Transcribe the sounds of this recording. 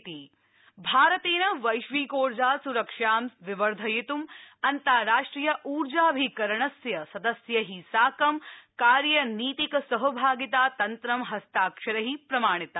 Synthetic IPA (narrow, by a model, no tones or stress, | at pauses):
t̪i | bʱaːɾɐt̪eːnɐʋɐjʃʋiːkoːɾd͡ʒaːsuɾɐkʂaːmʋiʋɐɾd̪ʱɐjit̪umɐnt̪aːɾaːʂʈɾijɐʔuːɾd͡ʒaːbʱikɐɾɐɳɐsjɐsɐd̪ɐsjɐɦisaːkɐmkaːɾjɐniːt̪ikɐsɐɦɐbʱaːɡit̪aːt̪ɐnt̪ɾɐmɦɐst̪aːkʂɐɾɐɦipɾɐmaːɳ̃it̪ɐ